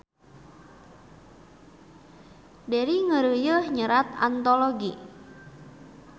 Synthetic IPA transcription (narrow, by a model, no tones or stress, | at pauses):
daɾiŋəɾujəhɲəɾat̪a̰nt̪oloɡḭ